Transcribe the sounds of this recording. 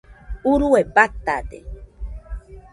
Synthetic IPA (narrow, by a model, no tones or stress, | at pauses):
uɾuebat̪ad̪ḛ